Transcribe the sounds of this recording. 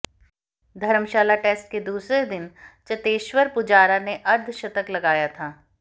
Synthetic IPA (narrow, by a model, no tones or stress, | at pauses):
d̪ʱɐɾəmʃaːlaʈeːsʈ̚ked̪uːsɾed̪ɪnt͡ʃɐt̪eːʃwəɾpʊd͡ʒaːɾaneʔɐɾd̪ʱʃɐt̪əklɐɡaːjat̪ʰaː